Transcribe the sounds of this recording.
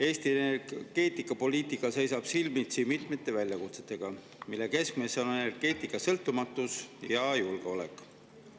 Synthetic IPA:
e̞ːst̪ienerɡ̥e̞ːt̪ˑikːˑɑpo̞liːt̪ˑikːˑɑse̞jsɑb̥silmit̪simit̪me̞t̪ːˑe̞vælʲjɑkut̪se̞̥t̪ːˑe̞ɡ̥ɑ | milːe̞ke̞skme̞so̞nenerɡ̥e̞ːt̪ˑikːˑɑsɤlt̪ːˑumɑt̪ːˑusjɑjulɡ̥e̞o̞lḛkˑ

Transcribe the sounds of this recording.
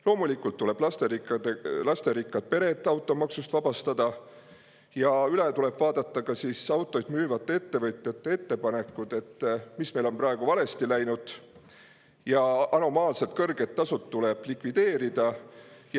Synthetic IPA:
lo̞ːmulikːˑult̪ːule̞b̥lɑst̪eɾikːɑd̪elɑst̪e̞ɾikːˑɑd̪̥̚pe̞ɾe̞t̪ːˑɑwt̪ːˑo̞mɑksust̪vɑb̥ɑst̪ɑd̪̥ɑ | jɑylet̪ule̞b̥vɑːd̪̥ɑt̪ːɑkɑsisɑwt̪ˑːo̞jd̪̥myːvɑt̪ːˑee̞t̪ːe̞vɤt̪ʲˑjɑt̪ːˑee̞t̪ːe̞pɑne̞kːˑud̪̥e̞t̪ːmisme̞jlo̞mprɑeɡ̥uvɑle̞st̪ilæjnud̪̥ | jɑɑno̞mɑːlset̪kɤrɡ̥e̞t̪ːɑsut̪ːule̞b̥likvid̪̥e̞ːɾid̪̥ɑj

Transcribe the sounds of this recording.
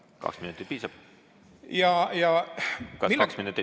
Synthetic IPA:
kɑ̰ksminut̪ːˑit̪̚piːsɑb̥ | jɑjɑkɑmiksminut̪ːˑi

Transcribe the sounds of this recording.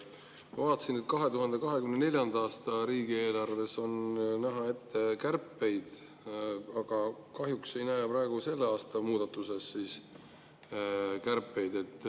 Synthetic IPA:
mɑvɑːt̪ːˑɑsinet̪̚ːˑkɑɦe̞t̪uɦɑnd̪̥e̞kɑɦe̞kymnene̞lʲjɑnd̪̥ɑɑːst̪ɑɾiːɡie̞ːlɑrve̞so̞nnæɦɑe̞t̪ːekærpːe̞jd̪̥ | ɑɡ̥ɑkɑɦjukse̞jnæjpɾɑeɡ̥use̞lːeɑːst̪ɑmuːd̪ɑt̪ːˑuse̞sːiːs | kærpːe̞jd̪̥e̞t̪ːˑ

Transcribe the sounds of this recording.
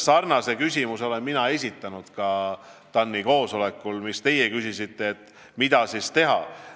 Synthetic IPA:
sɑrnɑse̞kysʲimuso̞le̞nminɑe̞s̬ʲit̪ːˑɑnud̪̥kɑt̪ɑnːiko̞ːso̞le̞kːˑulmist̪e̞jekysisit̪ːˑe̞ːt̪ːˑ | mid̪̥ɑsist̪e̞ɦɑ̰

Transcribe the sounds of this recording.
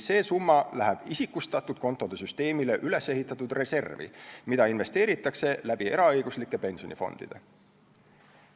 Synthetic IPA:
se̞ːsumːɑlæɦæb̥isikːˑust̪ɑt̪ːˑud̥̪̚ko̞nt̪ːˑo̞d̪̥e̞syst̪e̞ːmile̞ʔyle̞se̞ɦit̪ːˑɑt̪ud̪re̞se̞rvḭmid̪ɑinve̞st̪e̞ːɾit̪ːˑɑkse̞læb̥ie̞ɾɑɤ̞jɡ̥uslikːˑe̞pe̞nso̞nifo̞̰nd̪̥ḭd̪̥e̞̰

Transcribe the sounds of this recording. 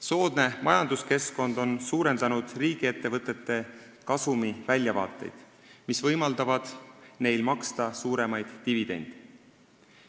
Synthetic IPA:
so̞ːd̪̥ne̞mʔɑjɑnd̪uske̞sko̞nd̪̥o̞nsuːɾe̞nd̪ɑnud̪̥riːɡ̥ie̞t̪ːe̞vɤt̪ˑːe̞t̪ːe̞ | kɑsumivælʲjɑvɑ̰ːt̪ːˑe̞̰jd̪̥ | misvɤjmɑld̪̥ɑvɑd̪̥ne̞jlmɑkst̪ɑsuːɾe̞mɑjd̪̥ːivid̪̥e̞̰nʲd̪̥e

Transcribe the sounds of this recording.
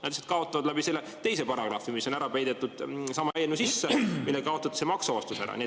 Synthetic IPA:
næd̪iset̪kɑo̞t̪ːˑɑvɑd̪̥læbise̞lːet̪e̞jse̞pɑɾɑɡ̥rɑ̰fimisːo̞næɾɑpæjd̪̥et̪ːˑud̪̥sɑmːɑæjenusisːemilːekɑo̞t̪ːˑɑt̪semɑksɑvɑst̪usæɾɑ̰nie

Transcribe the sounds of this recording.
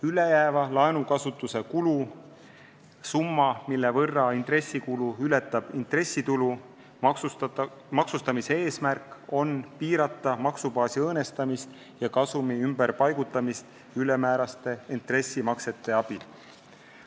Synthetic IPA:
ylejæːvɑlɑenukɑsut̪ːˑuse̞kulu | sumːɑmilːevɤrːɑint̪re̞sːikuluylet̪ːˑɑb̥int̪re̞sʲːit̪ulu | mɑksust̪ɑmiseeːsmærkˑo̞npiːɾɑt̪ːˑɑmɑksubɑːsiɤːne̞st̪ɑmist̪ | jɑkɑsumiymberpɑjɡ̥ut̪ˑːɑmist̪ | yle̞mæːɾɑst̪e̞int̪ˑre̞sʲːimɑkse̞t̪ːˑe̞ɑb̥il

